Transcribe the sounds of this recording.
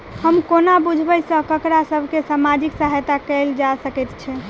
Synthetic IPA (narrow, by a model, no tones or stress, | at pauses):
həmkonabud͡ʒʱbəjsə̃kəkɾasəbʱkesamad͡ʒiksaɦjt̪akɛld͡ʒasəkɛt̪t͡ʃʰɛ